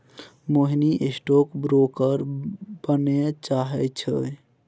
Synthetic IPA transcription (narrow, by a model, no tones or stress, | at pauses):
moɦiniʔesʈokbɾokəɾb̥ənet͡ʃaɦɛt͡ʃʰə